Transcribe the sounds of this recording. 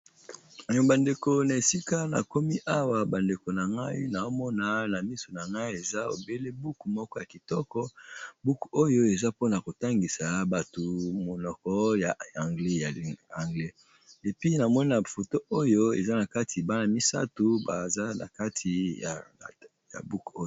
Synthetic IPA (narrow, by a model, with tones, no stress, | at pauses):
a˨jɔ˨ba˨nde˨ko˨na˨e˨si˦ka˦na̰˨ko˦mi˦ʔa˦wa˨ba˨nde˨ko˨na˨ŋɡa˦ḭ˦na˨o˦mɔ˦na˨na˨mi˦so˨na˨ŋɡa˦i˦e˨za˦o̰˨be˦le˦bu˦ku˨mɔ˦kɔ˦ja˨ki˨tɔ˦kɔ˦bu˦ku̥˨o˦jo˦e˨za˦po˦na˨ko˨ta˦ŋɡi˨sa˨ba˨to˨mo˨nɔ˨kɔ˦ja˨a˨ŋɡle˦ja˨a˨ŋɡle˦ | e˨pi˦na˨mɔ˦ni˦na˨fo˨to˦o˦jo˦ḛ˨za˦na˨ka˦tʰi˨ba˦na˨mi˦sa̰˦tu˨ba̰˨za˦na̰˨ka˦tʰi˨ja˨ | ja̰˨bu˦ku˨o˦o˦˨